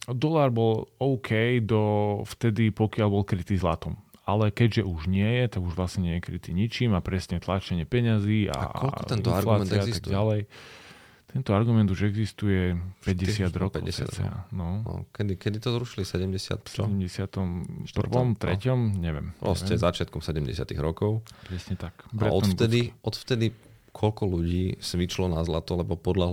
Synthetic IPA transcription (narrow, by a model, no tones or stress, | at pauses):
d̪ɔlaɾbɔlɔʊkʰɛjd̪ɔft̪ɛd̪ipɔkɪaʎbɔlkɾit̪iːzlat̪ɔmalɛkɛɟʒɛʔuʒɲɪɛjɛt̪aɡuʒʋlasɲɛɲɪɛjɛkɾit̪iɲit͡ʃimapɾɛsɲɛt̪lat͡ʃɛɲɪɛpɛɲaziːa̰ɔlt̪ɛnt̪ɔaɾlat͡s̪ɛazisatɡalɛj | t̪ɛnt̪ɔaɾɡumɛnd̪uʒɛɡzist̪ujɛpɛɟɛssɪad̪ɾɔkɛ̰ʊɛsa̰ɛ̰a̰nɔnɔ̰kɛd̪ikɛd̪it̪ɔzɾuʃilisɛɟɛmɟɛsɪa̰t̪st͡ʃɛɔɟɛmɟɛsɪat̪ɔmpr̩ʋɔmt̪ɾɛ̰cɔmɲɛʋɛ̰mɔ̰sɛzat͡ʃɪat̪̚kɔmsɛɟɛmɟɛsɪa̰t̪ḭɣɾɔkɔʊpɾɛsɲɛt̪akpɾaɛɔt̪ft̪ɛd̪iɔt̪ft̪ɛd̪i | kʰɔlkɔluɟiːsʋit͡ʃlɔnazlat̪ɔlɛbɔpɔd̪la